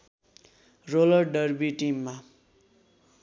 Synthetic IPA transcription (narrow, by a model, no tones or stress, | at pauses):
rolʌrɖʌrbiʈimːa